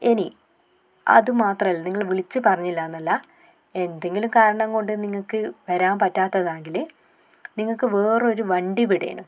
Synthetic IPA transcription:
eni | ɐ̰ðɨmaːt̪rɐmɐlːɐniŋːɐɭʋiɭit͡ɕːɨpɐrɐɲːilːaːnːɐlːɐ | e̞nd̪e̞ŋɡilumkaːɾɐɳɐmko̞ɳɖɨniŋːɐɭkɨʋɐɾaːmpɐtːaːt̪ːɐðaːŋɡil | niŋːɐɭkɨʋe̞ːrɨo̞ɾuʋɐɳɖipiɽej̰ːnṵ

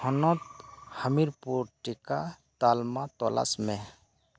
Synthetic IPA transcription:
hɔnɔt̪həmiɾpuɾʈikat̪aːlmat̪ɔla̰smẽ

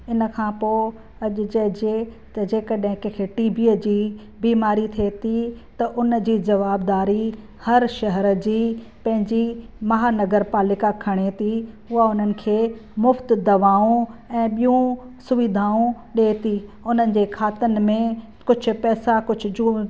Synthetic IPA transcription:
ɪnəkʰãːpoː | ɐʄʊ̆d͡ʑɐd͡ʑe | d͡ʑeːkɐɗ̃ɦɪ̃kəkʰeːʈiːbiəd͡ʑiː | biːmaːɾit̪ʰiet̪ʰit̪ɐʔʊnd͡ʑiːd͡ʑɐʋaːbd̪aːɾi | hɐɾʃɐɦəɾə̆d͡ʑiː | pɐ̃ɦɪ̃ɲd͡ʑi | mɐɦaːnɐɡəɾpaːlɪkakʰɐɽ̃et̪ʰi | ʊɦaʊnənɪ̆kʰeːmʊft̪d̪ɐʋaːũɛ̃ːɓijũsʊʋid̪ʱaːũ | ɗeːt̪iʊn̤ənɪ̆d͡ʑeːkʰaːt̪ənɪ̆mẽ | kʊd͡ʑʱʊ̆pɛːsakʊd͡ʑʱʊ̆d͡ʑuː

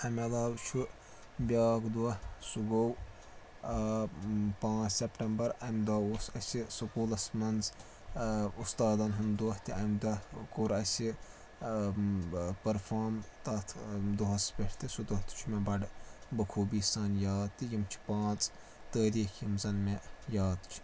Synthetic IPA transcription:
ɐmʲɐlaːwt͡ʃʰu | bʲaːkd̪uɐhsuɡow | pãːt͡ssʲepʈɐmbɐɾɐmʲd̪aːoːsɐsʲisukuːlɐsmɐnz | ust̪aːd̪ɐnɦɐmd̪uɐht̪iɐmd̪ɐkoɾɐsʲi | pɐɾfʰaːɾmt̪ɐt̪ʰd̪uɦɐspʲeʈʰt̪isud̪ot̪i̥t͡ʃʰmebɐɖbɐkʰuːbiːsɐːnjaːd̪̚t̪ijimt͡ʃʰi̥pãːt͡s | t̪əːɾiːkʰimzɐnmejaːd̪t͡ʃʰi̥

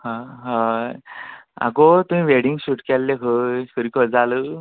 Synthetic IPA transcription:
hãɦã | a̰kot̪umĩʋeɽiŋɡsuʈkɛlːekʰəsəɾikʰəd͡zalə

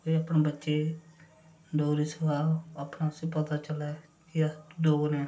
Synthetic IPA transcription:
koiapnẽːbətːʃeː | ɖoːɾiːsəkaːəpnaːsiːpət̪aːt͡ʃəlɛːkɪd̪oːneː

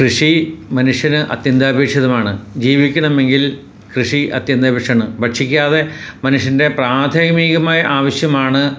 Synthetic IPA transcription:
krɨʂimɐnuʂjɐnɨʔɐ̰t̪jɐnd̪aːbʱe̞ːkʂjɐðɐmaːɳɨd͡ʑiːʋikʲːuɳɐme̞ŋɡil | krɨʂiɐ̰t̪jɐnd̪aːbʱeʂjɐɳɨbɐʈʂikʲːaːðe̞mɐnuʂjɐnde̞praːd̪ʱɐjmiːɣɐmaːjɐʔaːʋɐɕjɐmaːɳɨ

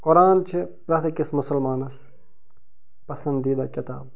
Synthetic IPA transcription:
kʊɾaːnt͡ʃʰipɾɐt̪ʰikismʊsɐlmaːnɐs | pɐsɐnd̪iːd̪ɐkɐt̪aːb̚

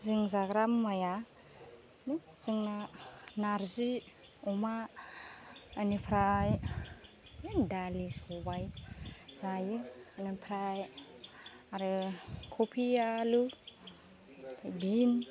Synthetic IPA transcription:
ziŋzaɡɾamːaja | ni | z̥iŋnanaɾzi | uma | anipʰɾaj | endalisobajzajiŋanipʰɾaj | aɾɯkʰopʰialu | pʰajbin

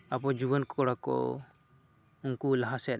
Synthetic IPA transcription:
apɔd͡ʒibənkɔkɔɽakɔ̰ | uŋkulaɦasɛn

